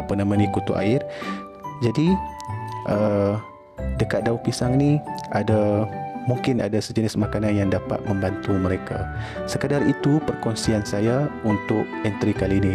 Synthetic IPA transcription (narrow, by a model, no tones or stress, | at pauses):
pənamə̃nikut̪ṵʔa̰ɪr | d͡ʒadi | ʔə | dəkat̪̚daupisaŋniadamuŋkɪna̰dasəd͡ʒənɪsmakananjaŋdapa̰t̪̚mə̃mbant̪uməɾeka̰səkədarit̪upərkɔnsiansajaunt̪ʊk̚ɛnt̪ɾikalini